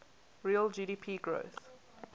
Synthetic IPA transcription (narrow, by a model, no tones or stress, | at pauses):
ɹiəld͡ʒiːɾiːpʰiːɡɹo̰ʊθ